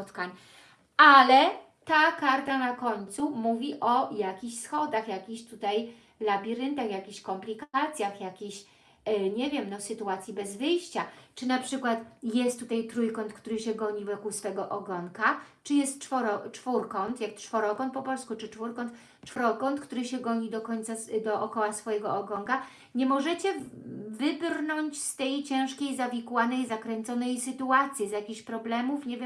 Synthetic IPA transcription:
t̪kaɲ | alɛ | t̪akaɾt̪anakɔɲt̪sumuvʲiʔɔjakʲiɕsxɔd̪axjakʲiɕt̪ut̪aj | labʲiɾɘnt̪axjakʲiɕkɔmplʲikat̪sʲjaxjakʲiɕ | ɲɛvʲjɛmnɔsɘt̪uat̪sʲjibɛzvɘjɕt͡ɕat͡ʂɘnapʂɘkwat̪jɛst̪ːut̪ajt̪ɾujkɔnt̪̚kt̪uɾɘɕɛɡɔɲivɔkusfɛɡɔʔɔɡɔŋkat͡ʂɘjɛst̪t͡ʂfɔɾɔt͡ʂfuɾkɔnt̪jak̚t͡ʂfɔɾɔkɔnpɔpɔlskut͡ʂɘt͡ʂfuɾkɔnt̪ | t͡ʂfɔɾɔkɔnt̪kt̪uɾɘɕɛɡɔɲid̪ɔkɔɲt̪sad̪ɔʔɔkɔwasfɔjɛɡɔɔɡɔŋka | ɲɛmɔʐɛt͡ɕɛvɘbrnɔɲt͡ɕst̪ɛjt͡ɕɛ̃w̃ʂkʲejzavʲikwanɛjzakɾɛnt̪sɔnɛjsɘt̪uat̪sʲjizjakʲixɕpɾɔblɛmufɲɛvʲjɛm

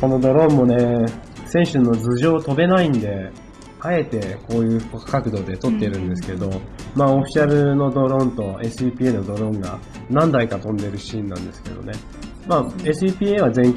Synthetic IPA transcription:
ko̞no̞d̪o̞ɾõ̞mːo̞ne̞sẽ̞ɰ̃ɕɨnːo̞d͡zɨʑo̞ːt̪o̞be̞naĩnd̪e̞ | ae̞t̪e̞ko̞ːjɯ̟̥ːkkakɯ̟d̪o̞ːd̪e̞t̪o̞t̪ːe̞iɾɯ̟̃nd̪e̞sɨ̥ked̪o̞maːo̞ɸʲi̥ɕaɾɯ̟no̞d̪o̞ɾõ̞nt̪o̞e̞sɨipʲiːeno̞d̪o̞ɾõ̞ŋɡa̰ | nãnd̪aikat̪õ̞nd̪e̞ɾɯ̟ɕĩnːã̰nd̪e̞sɨ̥ke̞̰d̪o̞̰ne̞ | maːesɨipʲiːeβazẽ̞ŋ

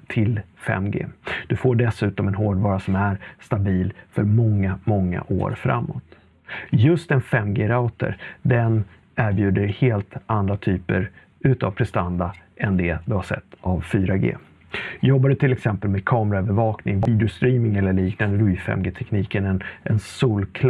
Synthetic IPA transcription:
t̪ʰɪlfɛ̰mːɡḛːd̪̥ɵfoːɖɛsʉ̟ːt̪ɔmɛnɦoːɖvɑːɾasɔmæɾst̪abiːlfœɾmɔŋːamɔŋːa̰ʔo̰ːɾfɾa̰mːo̰ːt̪ | jɵst̪ɛnfɛmːɡeːɾaʊt̪ə̰ɾd̪ɛn | æɾbjʉ̟ːd̪əɾheːlt̪and̪ɾat̪ʰyːpə̰ɾ | ʉ̟ːt̪avpʰɾɛst̪and̪aʔɛnd̪ɛd̪ɵhaʂɛ̰t̪ːavfyːɾaɡḛː | jɔbːad̪ət̪ʰɪlɛksɛmpəlmed̪̚kʰɑːmɾaœvəɾvɑːknɪŋbiːd̪ɾʊst̪ɾiːmɪŋɛlːəɭiːknand̪əɾiːfɛ̰mɡeːt̪ʰɛkniːkənɛnɛnsuːlkʰl

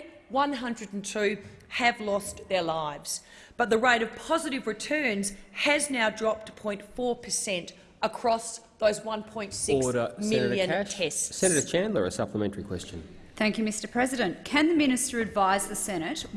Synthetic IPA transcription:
wʌ̃nɦʌ̃ndɹɨɾn̩tʰʉ | ɨvlɔsðə˞laɪvz̥ | b̥ʌt̪̚ðɨɹeɪɾʌv̥pʰɑzɨɾɨvɹɨtʰɜ̃˞nz̥ɨznaʊdɹɑp̚tʰə̥pʰɔ̃ɪ̃ntfɔɹpʰəsɛ̃nt | əkʰɹ̥ɔsðoʊzwʌ̃npʰɔ̃ɪ̃ntsɪksɾəmɪlˠjɨ̃ntʰɛssɛnɨɾɨ̥t͡ʃʰæ̃nlˠə̰˞əsʌpləmɛ̃ntə˞ikʰw̥ɛst͡ʃɨ̃n | θæ̃ŋkjʉmɪstə˞pʰɹ̥ɛzɨɾɨ̃nkʰɨ̃nðɨmɪ̃ñɨstə˞ɨdvaɪzðɨsɛñɨt

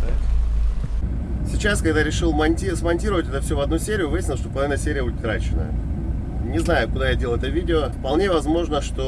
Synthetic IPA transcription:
sʲɪt͡ɕaskɐɡd̪aɾʲɪʂɨlˠmɐnʲtʲismɐnʲtʲiɾəvətʲɛt̪əfsʲovɐd̪nusʲeɾʲɪjʊvɨjɪsʲnʲɪlˠʂt̪opəlˠɐvʲinəsʲeɾʲɪjəbudʲɪt̪kɾat͡ɕɪnə̰ | nʲɪznajʊkʊd̪ajadʲelˠɛt̪əvʲidʲɪofpɐlˠnʲe̞vɐzmo̞ʐnəʂt̪o

